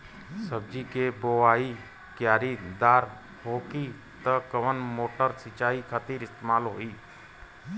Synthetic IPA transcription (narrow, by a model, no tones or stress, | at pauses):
səb̚d͡ʒikeboaːi | kjaːɾid̪aːɾ | ɦoːki | t̪əkəʋənmoːʈəɾsɪt͡ʃaːikʰət̪iːɾɪst̪eːmaːlɦo̰ːiː